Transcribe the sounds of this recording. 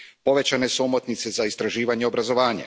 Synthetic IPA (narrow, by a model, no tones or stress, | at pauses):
po̞ʋe̞t͡ɕane̞suomot̪nit̪se̞zaist̪ɾaʒiːʋaɲeobɾazo̞ʋaːɲa̰